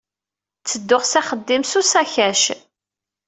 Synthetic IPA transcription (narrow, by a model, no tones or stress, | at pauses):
t͡sːəd̪ːʊʁsæχəd̪ːimsusæçæʃ